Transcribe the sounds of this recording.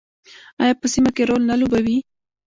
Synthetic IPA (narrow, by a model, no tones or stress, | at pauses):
ajɑpəsimakeɾolnalobawi